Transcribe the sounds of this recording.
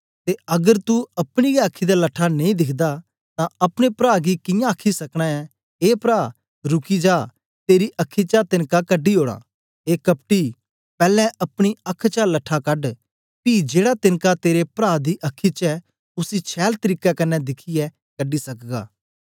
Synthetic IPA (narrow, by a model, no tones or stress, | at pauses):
t̪eɐɡəɾt̪uɐpɽ̃iɡɛɐkʰːid̪alɐʈʰːanẽĩd̪ɪkʰd̪a | t̪ãɐpɽ̃epɾaːɡikɪ̃jãɐkʰːisɐkɽ̃aɛ | eːpɾaː | ɾʊkid͡ʒaː | t̪eːɾiʔɐkʰːit͡ʃat̪ɪnkakɐɖiɦoːɽ̃a̰ː | eːkɐp̚ʈi | pɛːlɛ̃ʔɐpɽ̃iɐkʰːt͡ʃalɐʈʰːakɐɖ | pid͡ʒeːɽat̪ɪnkat̪eːɾepɾaːd̪iʔɐkʰːit͡ʃɛ | ʊsit͡ʃʰɛːlt̪ɐɾiːkakɐnːɛd̪ɪkʰiɛ | kɐɖisɐkɡa̰ː